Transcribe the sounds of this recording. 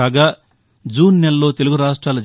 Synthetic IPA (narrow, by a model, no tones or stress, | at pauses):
aːɡaː | d͡ʒuːnːelːo̞ːt̪e̞luɡuɾaːʂʈɾaːlɐd͡ʒ